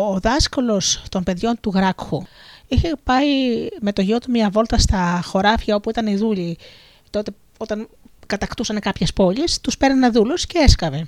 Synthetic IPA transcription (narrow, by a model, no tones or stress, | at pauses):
oðɐskolo̞st̪o̞mpe̞ðʝo̞nt̪uɣɾɐkxuiçe̞pɐime̞t̪o̞ʝio̞t̪umɲɐvo̞lt̪ɐst̪ɐxo̞ɾɐfçɐo̞puit̪ɐniðuʎi | t̪o̞t̪e̞ | o̞t̪ɐn | kɐt̪ɐkt̪usɐnekɐpçespo̞ʎist̪uspe̞ɾninɐðulusce̞eskɐve̞